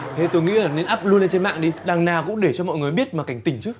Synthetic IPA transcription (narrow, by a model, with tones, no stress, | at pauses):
t̪ʰe˨˧˦t̪o˧jŋḭ˧˥laː˨˩ne˧nʔaː˦˥p̚lu˧ənle˧nt͡ɕe˧nma̰ː˧˨ŋɗi˧ɗaː˨˩ŋnaː˨˩wkʊ̰˧˥ŋ͡mɗe˧˩t͡ɕɔ˧mɔ̰˧˨jŋ˨˩əjɓi˦˥ət̚maː˨˩ka˧˩jŋ̟t̪ï˨˩ŋ̟t͡ɕɨ˦˥ək̚